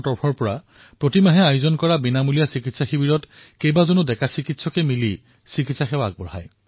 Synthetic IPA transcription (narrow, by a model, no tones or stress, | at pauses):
tɔɹpʰɔɹpɔɹa | pɹotimaɦɛajʊzɔnkɔɹabinamulijasikitsaxibiɹɔtkejbazonudɛkasikitsɔkɛmili | sikitsaxɛwa̰ɡ̚bɔɹa̰j